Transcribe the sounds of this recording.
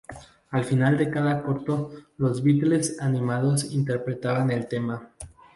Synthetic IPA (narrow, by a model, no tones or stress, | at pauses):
alfinald̪e̞kaðako̞ɾt̪o̞lo̞zβit̪ele̞sanĩmað̞o̞sint̪e̞ɾpɾe̞t̪aβane̞lt̪e̞ma